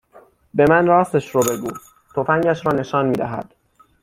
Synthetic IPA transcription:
be̞mænrɒːst̪eʃɾobe̞ɡuː | t̪ʰofæŋɟæʃɾɒːne̞ʃɒːnmiːd̪æ̰ɦæ̰d̪̥

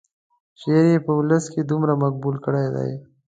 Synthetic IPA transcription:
ʃeːɾepɐʊləskid̪umɾamɐk̚buːlkəɽaːjd̪a̰ḛ

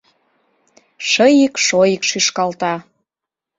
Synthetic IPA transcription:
ʃəjikʃojikʃyʃkɑlt̪ɑ

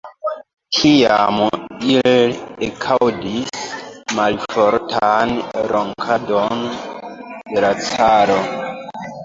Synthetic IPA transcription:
kʰijamiliekʰawdismalfoɾtʰanɾoŋkʰadon | de̞lat͡saɾo

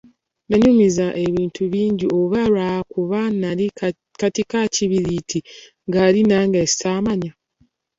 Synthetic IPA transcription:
βeɲumizaʔe̞βiːntʰuβiːɲɟiʔoβaɾwahkuβanaɾi | katikaciβiɾitʰi | ŋɡaɾinaːŋɡesi̥saːmaɲa

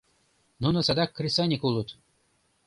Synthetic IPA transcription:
nunɤ̆sɑd̪ɑkːrʲisɑnʲikulˠut̪

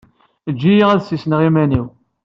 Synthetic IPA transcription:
d͡ʒːijiʁæðsisnʁimæniw

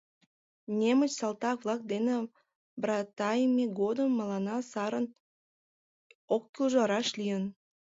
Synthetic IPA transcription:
nʲemət͡ɕsɑlt̪ɑk̚βlɑk̚d̪ene | brɑt̪ɑjmeɡod̪əmːəlɑnɑsɑɾən | okːylʒɑɾɑʃlijən

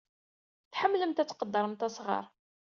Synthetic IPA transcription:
θħəmːləmt̪æt͡sːqəd̪ːəɾˤəmt̪ɑsʁɑ̰ɾˤ

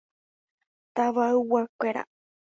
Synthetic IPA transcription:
t̪aʋaɨwakʷeɾa̰

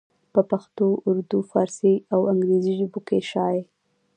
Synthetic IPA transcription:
pəpaxt̪oʔʊɾd̪ufɑɾsiawaŋɡɾeziʒəbokeʃɑje

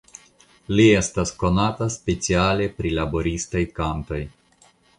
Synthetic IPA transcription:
lie̞st̪asko̞nat̪aspe̞t͡siale̞pɾilabo̞ɾist̪ojkant̪o̞j

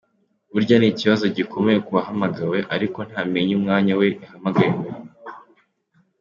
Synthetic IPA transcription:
βuɾɟaniciβazo̞ɟikʰo̞mejekuβaɦamaɡawe̞ʔaɾiko̞n̥haːmeɲumŋaːɲawe̞ʔihamaɡaɾiwe

